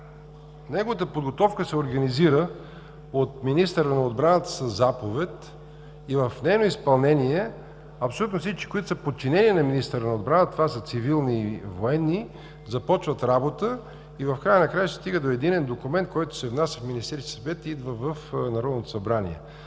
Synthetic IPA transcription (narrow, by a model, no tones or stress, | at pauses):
nɛɡovət̪əpod̪ɡot̪ɔfkəsɛoɾɡɐniziɾə | ot̪minist̪əɾənɐod̪bɾanət̪ə̥səzapovɛt̪ | ivəfnɛjnoispɐlˠnɛniɛ | ɐpsolut̪nofsit͡ʃkʲi̥koit̪ʊ̥səpot̪̚t͡ʃinɛniɛnɐminist̪əɾənɐod̪̚bɾanət̪ovasət̪sivilˠnivoɛnːi | zɐpɔt͡ʃvət̪ɾabot̪ə | ivəfkɾajənɐkɾajəsɛ̥st̪iɡəd̪oɛd̪inɛnd̪okumɛnt̪̚kɔjt̪ʊ̥sɛvnasʲəfminist̪ɛɾisʲsɐvɛt̪id̪vəvəfnɐɾɔd̪not̪o̥sɐbɾanḭɛ̰